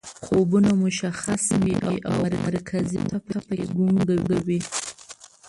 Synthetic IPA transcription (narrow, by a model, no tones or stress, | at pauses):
xobunamʊʃaxaswiʔaʔa̰waɾaɾkʰazḭt̪ʰapaapaɡuŋɡaɡawi